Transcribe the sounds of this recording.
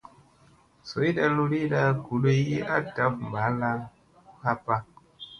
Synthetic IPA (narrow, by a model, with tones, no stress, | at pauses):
so˨˦i˦da˦lu˦ɾi˦da˦ku˨le˦ji˦ʔa˦ta˨˦pm̩˨ba˨˦la˧˦ | ha˦pa˦